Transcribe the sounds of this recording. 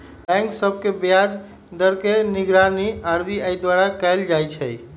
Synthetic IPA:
bɛ̃ŋksəb̚kebjad͡ʒ | d̪əɾkeniɡɾaniaɾbiajd̪waɾakɛjld͡ʒajt͡ʃʰəj

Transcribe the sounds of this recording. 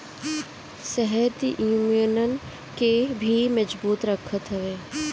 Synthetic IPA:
sɛɦəɾd̪iʔumjənən̆ | kebʱimɐd͡ʒbuːt̪ɾəkʰət̪ɦɐʋeː

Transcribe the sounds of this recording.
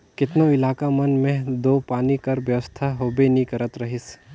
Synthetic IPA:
kɪt̪noɪlaːkamɐnmẽd̪oːpaːnikɐɾʋjɐʋəst̪ʰaɦoːbenĩkɐɾət̪ɾɐɦɪs

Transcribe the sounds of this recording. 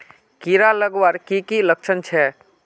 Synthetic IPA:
kiɾaləɡwaɾkikiləkt͡ʃʰənt͡ʃʰɛ

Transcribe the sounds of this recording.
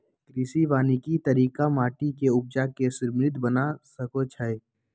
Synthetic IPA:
kɾiːsiʋaːnikit̪əɾiːkamaːʈikeʊb̚d͡ʒakesʊɾmɾɪt̪bənasəkot͡ʃʰəe

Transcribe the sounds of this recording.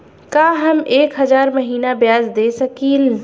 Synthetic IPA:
kaːɦəmeːkɦəzaːɾməɦiːnabjaːzd̪esəkiːl

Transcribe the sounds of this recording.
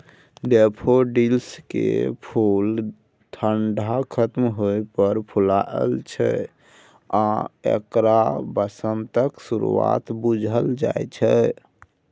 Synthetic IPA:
ɖepʰoɖilskḛpʰul | t̪ʰəɳɖʱakʰət̪mɦojpəɾpʰulaḛlt͡ʃʰɛ̰ | aḛkɾabəsənt̪əksuɾṵa̰t̪bud͡ʒʱəld͡ʒa̰jt͡ʃʰɛ

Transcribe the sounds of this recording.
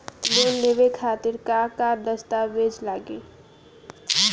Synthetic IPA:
leːnleʋekʰaːt̪ɪɾkakaɾd̪əst̪aʋeːd͡ʒlaːɡeː

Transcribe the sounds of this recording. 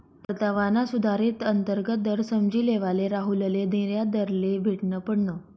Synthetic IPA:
pət̪aʋanasud̪ʱaɾet̪ənt̪əɾɡət̪̚d̪əɾsəmd͡ʑiːleʋaleɾaɦuləled̪ẽɾjad̪əɾlebʱeʈnəpəɽnəː

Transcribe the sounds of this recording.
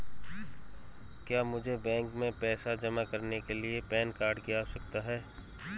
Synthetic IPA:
kjaːmʊd͡ʒʱebɛ̃ːŋkmẽpɛːsad͡ʒɐmakɐɾnekeliepɛːnkaːɾɖkijasɐk̚t̪aɦɛː

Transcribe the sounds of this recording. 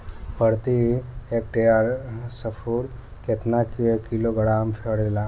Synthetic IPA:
pəɾt̪iek̚ʈejaɾsəfuːɾ | ket̪nakikiloɡəɽamfʰeɽelã

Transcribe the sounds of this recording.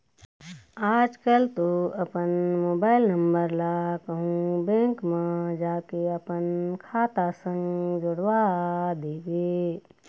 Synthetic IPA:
aːd͡ʒkəlt̪oəpənmoːbaːɪlnəmbəɾlakəɦũbɛ̃ŋkmẽd͡ʒaːkeəpənkʰaːt̪asə̃ŋɡd͡ʒoɽwad̪eːɡeː

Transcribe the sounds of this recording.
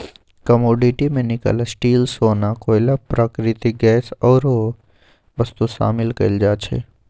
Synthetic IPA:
kɐmoːɖiʈimẽnɪkə̰lsʈiːlsoːnakoːjlapɾakɾɪt̪iɡɛːsɔːɾo | ʋɐst̪uʃa̰ːmɪlkɐ̰ld͡ʒaːt͡ʃʰḛː

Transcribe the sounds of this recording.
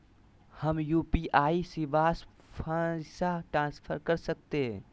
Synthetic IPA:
həmjuːpiʔaːisɪʋaːs | pʰasaʈɾãːnspʰəɾkɐɾsək̚t̪eɦɛ̃

